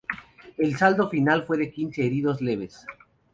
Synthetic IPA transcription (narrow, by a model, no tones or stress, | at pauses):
e̞lsald̪o̞finalfwe̞ðe̞kinse̞ːɾiðo̞zle̞βe̞s